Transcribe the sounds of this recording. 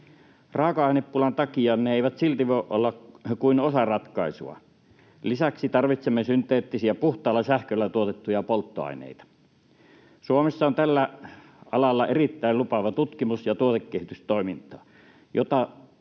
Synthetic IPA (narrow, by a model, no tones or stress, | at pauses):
rɑˑokɑɑˑineppulɑnt̪ɑkiɑːnneeˑiʋæt̪silt̪iʋoʔʔo̰lːɑkuinosɑrɑt̪kɑˑisṵɑ̰ | lisæksit̪ɑrʋit̪semːesynt̪ˑeːt̪ːisiæpuht̪ˑɑˑːlːˑɑsæhkølːæt̪uot̪et̪ːujɑpolt̪ːo̰ɑ̰ˑinḛˑit̪ɑ̥ | suomesːɑont̪ælːæ | ɑlɑlːɑʔerit̪ːæˑilupɑʋɑt̪ut̪kimusjɑt̪uot̪ekːehit̪yst̪oˑimint̪ˑɑː | jot̪ɑ